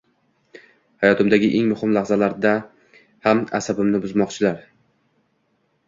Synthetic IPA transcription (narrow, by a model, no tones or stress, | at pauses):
hajɒt̪ʰɪmd̪aɡʲɪʔe̞ŋmʊhɪmlahzalaɾd̪a | hama̰sabɪmnɪbʊzmɒqt͡ʃʰɪlaɾ